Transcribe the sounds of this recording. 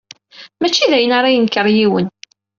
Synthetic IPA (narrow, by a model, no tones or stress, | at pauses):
mæt͡ʃːiðæjənaɾˤajənkəɾˤjiwən